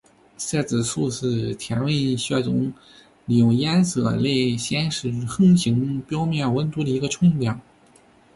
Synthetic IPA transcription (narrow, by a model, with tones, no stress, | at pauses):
sɛ˥˩t͡sɹ̩˨˩su˥˧ʂɹ̩˥˩t̪ʰjɛ˧˥nwe˥˧ɪɕɥɛ˥˩t͡sʊ˧˥ŋ | li˨˩jʊ˥˩ŋjɛ˥nsɤ̰˧˩le˥˩ɪɕjɛ˥nʂɻ̩˧˥xɤ˥ŋɕi˧˥ŋpjɑ˥ʊmjɛ˥˩nwə˥nt̪u˧˥d̪ə˨i˧˥ɡə˧ʈ͡ʂʰʊ˥ŋljɑ˨˩˦ŋ